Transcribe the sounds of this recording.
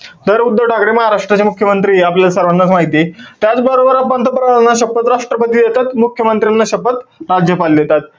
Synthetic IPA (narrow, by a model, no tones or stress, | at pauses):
t̪əɾud̪ːəʈʰakɽeməɦaɾaʂʈɾat͡ɕemukʰjəmənt̪ɾiːapljalsəɾʋanːat͡smaɦit̪it̪jat͡sbəɾobəɾapənt̪əpɾəaanːaɕəpət̪ɾaʂʈɾəpət̪iːd̪et̪at̪mukʰjəmənt̪ɾanːaɕəpət̪ɾad͡ʑjəpald̪et̪at̪